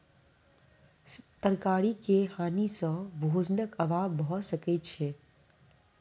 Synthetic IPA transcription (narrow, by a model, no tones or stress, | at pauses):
t̪əɾkaːɾikehaːnisɔ̃bʱoːd͡ʒnəkɐʋaːbːɦɔsəket͡ʃʰeː